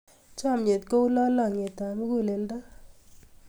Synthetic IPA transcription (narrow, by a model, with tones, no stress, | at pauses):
t͡ʃa˦˨mɲe˨t̪̚ko˦u˦la˦la˦˨ŋe˨t̪a˨mi˦ku˦˨le˨lda˦